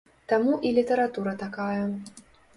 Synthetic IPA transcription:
t̪amuʔilʲit̪ɐɾat̪uɾɐt̪akajɐ

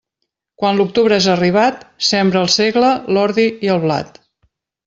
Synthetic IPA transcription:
kwanluk̚t̪uβɾəezəriβ̞at̪sɛmbɾəːlˠseɣləlɔɾðiiəlˠβla̰t̪

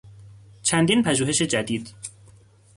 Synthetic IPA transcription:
t͡ʃʰænd̪iːnpʰæʒuːɦe̞ʃe̞d͡ʒæd̪iːd̪̥

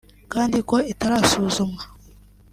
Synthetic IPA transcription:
kaːndikoitaɾasuːzuma

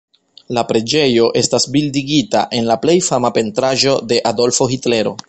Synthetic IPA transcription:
lapɾe̞d͡ʒe̞jo̞ʔe̞stasbildiɡita̰ʔe̞nlaple̞jfamape̞ntɾaʒo̞de̞ʔado̞lfo̞xitle̞ɾo̞̰

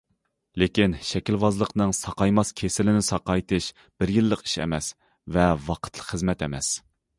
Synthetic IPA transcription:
lekʲinʃɛkʲilwɑzlˠəqnɨŋsɑqɑjmɑskʲʰesɪlɪnɪsɑqɑjt̪ɨʃ | b̥ɪɾjilˠːəqi̥ʃɛ̰mɛs | vɛvɑqʰə̥t̪ʰlˠə̥χəzmɛt̪ɛmɛs

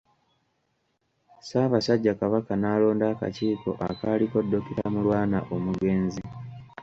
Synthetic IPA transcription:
saːβasaɟːakaβakanaːlo̞ːndaːka̰ciːko̞̰ʔakaːliko̞dːo̞kiɾamulwaːnaʔo̞muɡe̞ːnzi

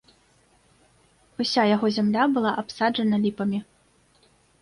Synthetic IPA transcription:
usʲajaɣɔzʲamlʲabɨlˠaʔapsad͡ʐʐɐnɐlʲipɐmʲi

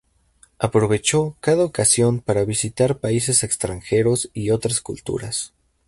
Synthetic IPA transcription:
apɾo̞β̞e̞t͡ʃo̞kaðaokasjo̞mpaɾaβisit̪aɾpaise̞se̞kst̪ɾaŋxe̞ɾo̞sio̞t̪ɾaskṵlt̪ṵɾas

